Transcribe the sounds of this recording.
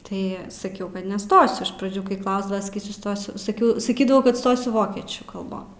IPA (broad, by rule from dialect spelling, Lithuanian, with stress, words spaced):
ˈtɐɪ sɐˈkʲɛʊ kɐt nʲɛˈstoːsʲʊ ɪʃ prɐˈd͡ʒʲuː kɐɪ ˈklˠɐʊzdɐʋɐ sɐˈkʲiːsʲʊ ˈstoːsʲʊ sɐˈkʲɛʊ sɐˈkʲiːdɐʋɐʊ kɐt ˈstoːsʲʊ ˈʋoːkʲiɛt͡ʃʲuː kɐlˠˈboːn